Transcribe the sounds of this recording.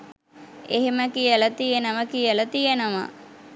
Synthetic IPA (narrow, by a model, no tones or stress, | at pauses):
eɦeməkijələt̪ijenəʋəkijələt̪ijenəʋə̰